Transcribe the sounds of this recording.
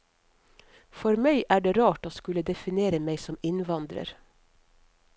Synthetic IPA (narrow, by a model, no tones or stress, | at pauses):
fɔɾmæɪʔæːɖeːɾɑːʈoːskʉləd̪ɛfɪneːɾəmeɪsɔmɪnʋɑnd̪ɾə̰ɾ